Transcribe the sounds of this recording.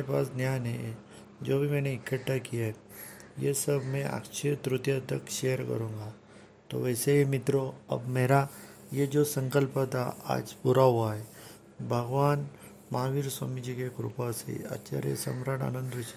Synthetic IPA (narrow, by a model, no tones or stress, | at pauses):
ɾepaːsd̪njaːjnɦe | d͡ʒoːbʱimɛ̃ːneɪkːəʈːakijaɦɛ | jesəbʱmẽʔa̰ːkʃʰet̪ɾʊt̪jət̪əkʃejəɾkɐ̰ɾũːŋɡa | t̪o̰ʋɛːseɦimɪt̪ɾoɐ̰bmeːɾa | jed͡ʒosə̃ŋkəlpət̪ʰaa̰ːd͡ʒpuɾaɦuaɦɛ | bʱɐɡʋaːn | maːʋiɾswa̰ːmid͡ʒikekɾṵpasḛɐ̰t͡ʃa̰ɾjə̰sɐ̰mɾaɽa̰ːnə̃nd̪ʊt͡ʃ